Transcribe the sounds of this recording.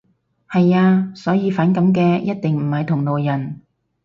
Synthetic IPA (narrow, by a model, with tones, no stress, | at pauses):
hɐ˨jaː˧sɔː˨˥jiː˨˧faː˨˥nkɐ˨˥mkɛː˧jɐ˥t̚t̪ɪ˨ŋm̩˨˩hɐ˨jt̪ʰʊ˨˩ŋlo˨wjɐ˨˩n